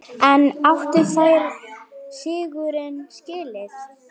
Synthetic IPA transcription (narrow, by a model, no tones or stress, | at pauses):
ɛnaft̪ɪɾθajɾsɪːɣʏɾɪnscɪːlɪθ